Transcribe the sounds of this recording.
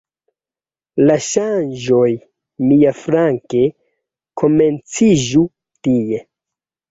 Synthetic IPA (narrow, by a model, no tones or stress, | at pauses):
laʃand͡ʒo̞j | miafɾaŋke̞ | kʰo̞me̞nt͡sid͡ʒu | tije̞